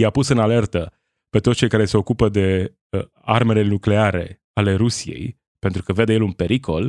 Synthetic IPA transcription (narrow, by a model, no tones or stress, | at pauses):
japusɨnale̞rt̪ə | pe̞t̪ot̪st͡ʃe̞jkaɾe̞se̞o̞kupəd̪e̞ | arme̞lenukle̞aɾe̞̰ | ale̞ɾusije̞̰j | pe̞nt̪ɾukəved̪e̞jelunpe̞ɾikʰo̞l